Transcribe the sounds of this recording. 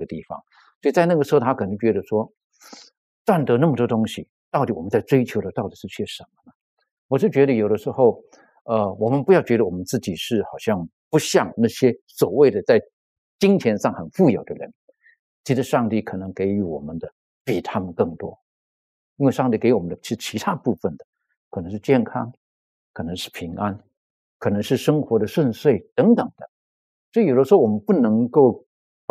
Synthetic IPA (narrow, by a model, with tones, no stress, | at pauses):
ɡə˩t̪i˥˩fɑ̰˨˩ŋ | swɔ˧˥i˨˩t͡sa˥˧ɪna˥˩ɡə˩ʂɻ̩˧˥o˥˧˩a˥kʰɤ˨˩nɤ˧˥ŋt͡ɕɥɛ˧˥d̪ə˧ʂwɔ˥ | twa˥˩nt̪ɤ˧˥na˥˩mə˩t̪wɔ˥t̪ʊ˥ŋɕi˨ | t̪ɑ˥˩ʊt̪i˨˩˥wɔ˨˩mə˦nt͡sa˥˩ɪt͡swe˥ɪt͡ɕʰjo˧˥ʊd̪ə˧t̪ɑ˥˩ʊt̪i˨˩ʂɻ̩˥˧t͡ɕʰɛ˥˩ʂə˧˦nmə˧nə˩ | wɔ˨˩ʂɻ̩˥˩t͡ɕɥɛ˧˥ɾə˧jo˨˩ʊɾə˦ʂɻ̩˧˥xo˥˩ʊ | ə˧wɔ˨˩mə˧˦npu˧˥jɑ˥˩ʊt͡ɕɥɛ˧˥ɾə˧wɔ˨˩ə˦nt͡sɹ̩˥˩t͡ɕi˨˩ʂɻ̩˥˩xɑ˨˩ʊɕjɑ˥˩ŋpu˧˥ɕjɑ˥˧ŋna˥˩ɕjɛ˥swɔ˨˩we˥ɪd̪ə˩t͡sa˥˩ɪ | t͡ɕi˥ŋt͡ɕʰjɛ˧˥nʂɑ˥˩ŋxə˨˩nfu˥˩jo˨˩ʊd̪ə̰˦˧ɻə̰˧˦n | t͡ɕʰi˧˥d̪ə˧ʂɑ˥˧ŋt̪i˥˩kʰɤ˨˩nɤ˧˥ŋke˧˥ɪy˧˥wɔ̰˨˩mə˦nd̪ə˦ | pi˨˩t̪ʰa˥mə˨nkɤ˥˩ŋt̪wɔ˥ | i˥nwe˥˧ɪʂɑ˥˧ŋt̪i˥˩ke˧˥˧wɔ˨˩mə˦nd̪ə˧˩t͡ɕʰi˧˥ʂ̩˥˧˩t͡ɕʰi˧˥t̪ʰa˥pu˥˧fə˥˩nd̪ə˩ | kʰnɤ˧˥ŋʂɻ̩˥˧t͡ɕjɛ˥˩nkʰɑ˥ŋ | kʰɤ˨˩nɤ˧˥ŋʂɻ̩˥˩pʰi˧˥ŋʔa˦˥n | kʰɤ˨˩nɤ˧˥ŋʂɻ̩˥˩ʂɤ˥ŋxwɔ˧˥d̪ə˧ʂə˥˧nswe˥˩ɪt̪ɤ˧˥ŋt̪ə˨˩ŋd̪ə˦ | sɔ˧˥i˨˩jo˨˩d̪ə˦ʂ̩˧˥xo˥˩wɔ˨˩mə˦npu˥˩nɤ˧˥ŋko˥˩ʊ